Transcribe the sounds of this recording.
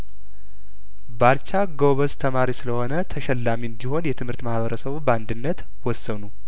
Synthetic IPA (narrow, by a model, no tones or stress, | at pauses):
balt͡ʃaɡoβəst̪ʰəmaɾisɨləho̞nət̪ʰəʃɛlːamiɨnd̪iho̞njɛt̪ʰɨmhɨɾt̪mahβəɾəsəβubəand̪ɨnːət̪ | wɔsːənu